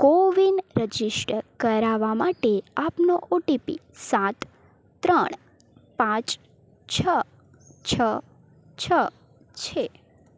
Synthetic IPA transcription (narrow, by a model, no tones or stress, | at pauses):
koʋinɾəd͡ʒisʈkəɾaʋamaʈeapnoʔoʈipḭ | sat̪ː | ɾəɳ̃ː | pãt͡ʃ | t͡ʃʰə | t͡ʃʰə | t͡ʃʰə | t͡ʃʰe